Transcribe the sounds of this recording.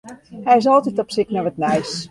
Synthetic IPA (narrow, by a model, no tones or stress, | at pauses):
hɛjɪs̬ɔlˠtitɔpsɪknaʋətnɛjs